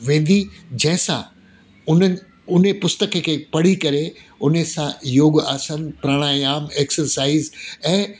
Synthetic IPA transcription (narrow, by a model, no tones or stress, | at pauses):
ʋẽːn̆d̪id͡ʑɐ̃ɦɪ̃sã̰ | ʊnə | ʊnepʊst̪əkʰəkʰeːpɐɽ̤ikɐɾeʊnesãjoːɠaːsənpɾaɽ̃aːjaːmeːksəɾsaːɪzɛ̃ː